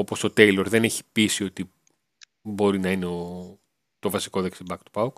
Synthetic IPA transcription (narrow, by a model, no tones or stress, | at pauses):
opo̞st̪o̞t̪e̞jloɾðe̞ne̞çi̥pisio̞t̪i | bo̞ɾinɐineo | t̪o̞vɐsi̥ko̞ðeksibɐkt̪u̥pɐwk